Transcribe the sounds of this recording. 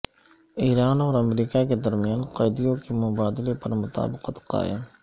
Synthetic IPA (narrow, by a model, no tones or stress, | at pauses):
iːɾaːnɔːɾɐmɾiːkaked̪ɐɾmijaːnqɐjd̪ijõkemʊbaːd̪ɪlepɐɾmʊt̪a̰ːbɪqət̪qa̰ːɪ̰m